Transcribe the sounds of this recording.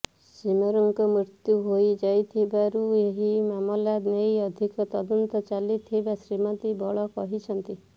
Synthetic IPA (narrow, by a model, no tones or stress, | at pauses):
simɔɾɔŋkɔmɾit̪juɦojd͡ʒajt̪ʰibaɾueɦimamɔlad̪nejɔd̪ʱikɔt̪ɔd̪ɔnt̪ɔt͡ʃalit̪ʰibasɾimɔt̪ibɔɭɔkɔɦit͡ʃʰɔnt̪i